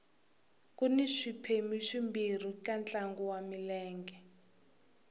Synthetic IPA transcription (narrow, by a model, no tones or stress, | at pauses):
kʼuniʂipʰemiʂimbir̤ikʼant͡ɬaŋɡuwamilɛːŋɡɛ